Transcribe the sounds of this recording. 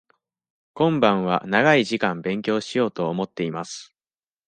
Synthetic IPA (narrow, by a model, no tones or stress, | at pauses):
kõ̞mbãɰ̃βa̰naɡaiʑikãmbẽ̞ŋkʲo̞ːɕijo̞ːt̪o̞ːmo̞t̪ːe̞imasɨ̥